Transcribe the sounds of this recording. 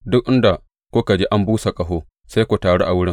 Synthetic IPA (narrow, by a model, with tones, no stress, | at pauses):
dʊ˦k̚ʔɪ˦nda˨ | kʷʊ˦ka˨d͡ʒe˦ʔa˦mbuː˦sa˨kʼɐ˨ɦoː˦ | sa˦jkʷu˨taː˨ɽo˦ʔa˨wʊ˦ɽɪ˦